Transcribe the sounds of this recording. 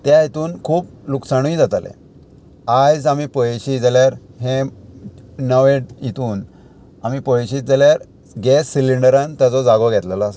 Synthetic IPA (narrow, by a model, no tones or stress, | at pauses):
t̪jajit̪uːnkʰuːp̚luksaɽ̃ũĩd͡zat̪alḛ̃ | ad͡zamipəjɕiːd͡zaljaɾɦẽ | nəʋẽʈjit̪uːn | amipɔjɕiːt̪̚d͡zaljaɾ | ɡɛsːiliɳɖəɾãnt̪jat͡sɔd͡zaɡɔɡʱɛt̪ləlas